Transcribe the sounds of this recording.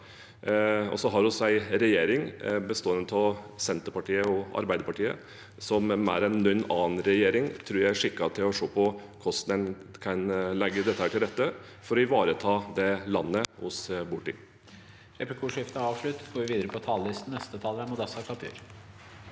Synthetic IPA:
ɔ̰sɔɦɑɾhʊsæɪɾɛjeːɾɪŋbəst̪oːənət̪ʰɔsɛnt̪əɾpɑʈiːəɔɑ̰ɾbæɪd̪əpɑʈiːə̰ | sɔmæ̰ɾɛnːʉnːɑːnɾɛjeːɾɪŋt̪ʰɾʉːjæɪæʂɪkːɑt̪ʰɪlɔʂoːpʰɔkʰɔst̪nɛnkʰɑnlɛɡːəd̪ɛt̪ːəhæːʈɪlɾɛt̪ːə | fɔɾɔɪʋɑːɾət̪ʰɑːd̪ɛlɑnːəhʊsbʊʈɪ̰ | ɾɛplɪkʰuːʂɪft̪əɑːʋʂɭʉt̪ːɡoːɾʋɪʋiːd̪əɾəpʰɔt̪ʰɑːllɪst̪n̩nɛst̪ət̪ʰɑːləæmʊd̪ɛsɑkʰʋɑt̪ʰʉ̰ːɾ

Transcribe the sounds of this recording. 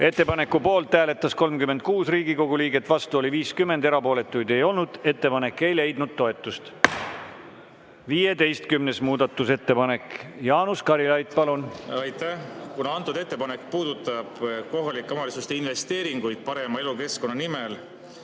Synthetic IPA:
e̞t̪ːe̞pɑne̞kːˑupo̞ːlt̪ːæːle̞t̪ːˑɑsko̞lmkymːe̞nd̪̚kuːsriːɡiko̞ɡ̥uliːɡ̥e̞t̪ːˑvɑst̪uo̞liviːskymːe̞nd̪e̞ɾɑpo̞ːle̞t̪ːˑujd̪̥e̞jo̞lnud̪̥e̞t̪ːe̞pɑne̞kːˑe̞jle̞jd̪̥nud̪̥̚t̪ːo̞e̞t̪ːˑust̪ | vije̞d̪e̞jst̪kymne̞smuːd̪̥ɑt̪ːˑuse̞t̪ːe̞pɑne̞kjɑːnuskɑɾilɑjd̪pɑlunɑjt̪æhkunɑɑnt̪ːˑud̪e̞t̪ˑːe̞pɑnekːpuːd̪̥ut̪ːˑɑb̥ko̞ɦɑlikːˑɑmɑlisust̪einve̞st̪e̞ːɾiŋɡujd̪̥̚pɑɾe̞mɑe̞luke̞sko̞nːɑnimel

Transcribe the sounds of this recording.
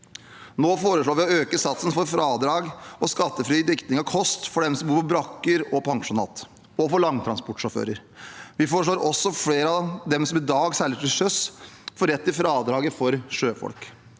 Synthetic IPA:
noːfoːɾəʂɭoːɾʋɪɔøːkəsɑt̪sən̩fɔɾfɾɑːd̪ɾɑːɡɔskɑt̪ːəfɾyːd̪ɪkt̪nɪŋɑkʰɔst̪fɔɖɛmsɔmbuːɾpʰɔbɾɑkːəɾɔpʰɑŋʂʊnɑ̰ːt̪ | ɔfɔɭɑŋːət̪ʰɾɑnspɔʈʂʊɾfø̰ːɾəɾ | ʋɪfoːɾəʂɭoːɾɔsːɔfɽeːɾəɑd̪ɛmsɔmɪd̪ɑːɡsɛləʈɪʂœsfɔɾɛt̪ːɪfɾɑːd̪ɾɑːɡəfɔɾʂøːfɔ̰lk

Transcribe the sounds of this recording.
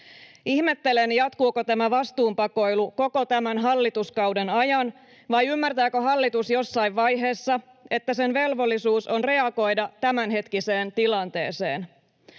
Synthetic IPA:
ihme̞t̪ːe̞lenjɑt̪kuːkot̪æmæʋɑst̪uːmpɑko̞jluko̞ko̞t̪æmænɦɑlːit̪uskɑwdenɑjɑn | ʋɑjymːært̪æːkøɦɑlːit̪usjo̞sːɑjʋʋɑjɦe̞ːsːɑ | e̞t̪ːæse̞nʋe̞lʋo̞lːisuːso̞nre̞ɑɡo̞jdɑt̪æmænɦe̞t̪kise̞ːnt̪ilɑnt̪e̞̰ːse̞̰ːn

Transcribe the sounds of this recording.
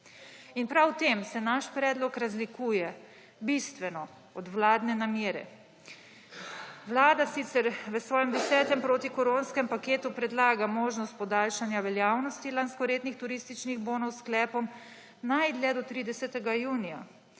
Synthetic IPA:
inpɾawt̪eːmsɛnaʃpɾɛːd̪lɔkɾazlikuːjɛ | bist̪ʋɛnɔ | ɔd̪wlaːd̪nɛnamjeːɾɛ̰ | ʋwlaːd̪asit̪sɛɾʋəsʋɔːjɛmd̪ɛsɛːt̪ɛmpɾoːt̪ikɔɾoːnskɛmpakeːt̪upɾɛd̪laːɡamoːʒnɔst̪̚pɔd̪aːlʃanjaʋɛljaːwnɔst̪ilanskɔɾeːt̪nixt̪uɾist̪it͡ʃniɣboːnɔwsklɛːpɔm | najd̪lɛd̪ɔt̪ɾid̪ɛsɛt̪ɛɡajuːnija̰

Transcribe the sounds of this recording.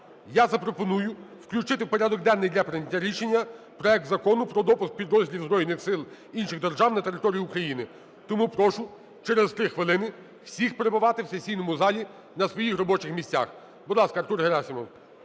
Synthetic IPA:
jazɐpɾɔpɔnujʊwklʲʊt͡ʃɪt̪ɪwpɔɾʲad̪ɔɡ̚d̪ɛnːɪjdʲlʲɐpɾenʲɐtʲːaɾʲiʃenʲːɐ | pɾɔɛk̚t̪zɐkɔnʊpɾɔd̪ɔpʊsk̚pʲid̪ɾɔzʲdʲilʲiwzbɾɔjɪnɪxsɪlˠ | inʃɪɣd̪erʒɑwnɐt̪eɾɪt̪ɔɾʲijiukɾɐjinɪ | t̪ɔmupɾɔʃʊ | t͡ʃɛɾezt̪ɾɪxʋɪlˠɪnɪ | w̥sʲixpeɾebʊʋɑt̪ɪwsesʲijnɔmʊzɑlʲi | nɐsʋɔjixɾɔbɔt͡ʃɪxmʲisʲt͡sʲa̰x | bɔd̪lˠɑskɐrt̪urɦeɾɑsʲimɔw

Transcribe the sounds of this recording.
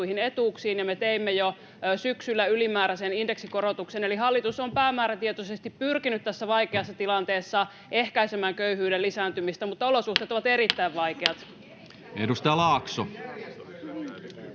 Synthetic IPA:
uihine̞t̪uːksiːnjɑmet̪eimːejo | syksylːæylimæːɾæseninde̞ksikoɾot̪ukseneliɦɑlːit̪usompæːmæːɾæt̪iet̪osest̪ippyrkinyt̪t̪æsːæʋɑikeɑsːɑt̪ilɑnt̪e̞ːsːɑ | e̞hkæisemæːŋkøyɦyːdelːisæːnt̪ymist̪æmut̪ːɑo̞losuht̪eːt̪oʋɑt̪e̞ɾit̪ːæiʋʋɑikeɑt̪ | ḛdust̪ɑjɑlɑːkso

